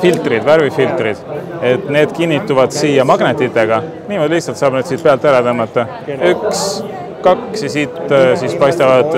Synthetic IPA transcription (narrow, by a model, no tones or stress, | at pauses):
filt̪rid̪væɾvifilt̪rid̪̥e̞t̪ːˑne̞ːd̪̥kinːit̪ːuvɑd̪̥siːjɑmɑɡnet̪ːˑit̪ːˑe̞ɡ̥ɑ | niːmod̪lihtsɑlt̪sɑːb̥ned̪siːd̪̚peɑlt̪ːˑæɾɑt̪omɑt̪ːˑɑ | yks | kɑksjɑsiːt̪sispɑjst̪ɑvɑd̪̥